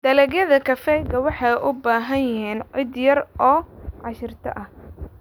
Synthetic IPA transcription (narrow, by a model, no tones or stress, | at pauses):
d̪̥ɐlɛɣjɐðɐkʰɐfɛjɡɐwɑħɑjʔʊbaːɦɐnjɐɦiːnʕɪd̪jɐrʔɔːʕɑʃɪrt̪ʰɐ̰ʔɐh